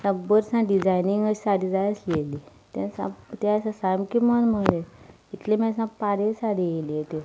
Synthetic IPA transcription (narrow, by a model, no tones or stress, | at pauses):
sãbəɾsãɖid͡zajniŋɡəi̥saɽid͡zajəsleli | t̪ẽsã̰t̪ẽasãsamkimənməle | it̪lemãsãpaɾesaɽijeliet̪e